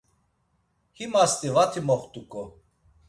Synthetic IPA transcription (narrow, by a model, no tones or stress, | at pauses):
himast̪ʼivat̪ʰimɔχt̪ʼukʰʼɔ